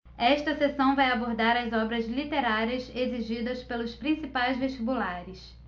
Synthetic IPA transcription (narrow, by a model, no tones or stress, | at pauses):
ɛʃt̪ɐsesɐ̃w̃vajaboɾd̪aɾɐzɔbɾɐzlit̪eɾaɾiɐseziʒid̪ɐspelʊspɾĩsipajzveʃt͡ʃibulaɾɪs